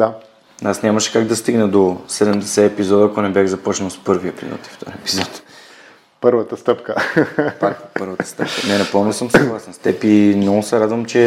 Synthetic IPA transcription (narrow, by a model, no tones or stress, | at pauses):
d̪a | nasnʲamɐʃɛ̥kaɡd̪ɐst̪iɡnəd̪osɛd̪ɛmd̪ɛsɛɛpizɔd̪əːkonɛbjaxzɐpɔt͡ʃnəlˠspɤɾviɛpizɔ̰t̪i̥ft̪ɔ̰ɾɛpizɔt̪ | pəɾvət̪əst̪ɤpkəppɤɾvət̪ə̥st̪ɤp̚kənɛnɐpɤlˠnosəmsɐɡlˠasɛnst̪ɛpimnɔɡʊsɛɾad̪vəmt͡ʃɛ